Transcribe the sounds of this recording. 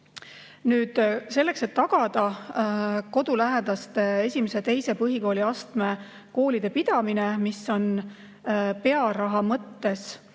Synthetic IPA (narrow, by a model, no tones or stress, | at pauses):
nyːd̪̥se̞lːe̞kse̞t̪ːɑɡ̥ɑd̪̥ɑ | ko̞d̪ulæɦed̪̥ɑst̪ee̞sʲimese̞t̪e̞jse̞pɤɦiko̞ːliɑst̪me̞ | ko̞ːlid̪̥e̞dpid̪̥ɑmine̞miso̞n | pe̞ɑɾɑɦɑmɤt̪ːe̞s